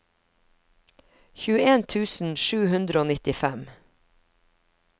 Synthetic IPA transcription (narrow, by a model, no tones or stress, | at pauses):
çʉːəeːnt̪ʰʉːsn̩ʃʉːhʉnd̪ɾəoːnɪt̪ɪfæm